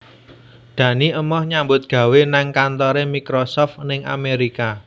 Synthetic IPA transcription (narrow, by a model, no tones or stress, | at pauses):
d̪̥ä̤niʔəmɔhɲambʊt̪̚ɡ̥ä̤wenaŋkant̪ɔɾemikɾɔsɔft̪nɪŋa̰meɾika